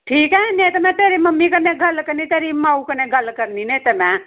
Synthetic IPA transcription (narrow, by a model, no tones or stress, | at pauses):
ʈʰikɛɦɛ̃net̪əmɛ̃t̪eːɾiməmːikəneɡʱɐlkəɾnit̪eɾimaukəneɡʱəlkəɾninet̪əmẽ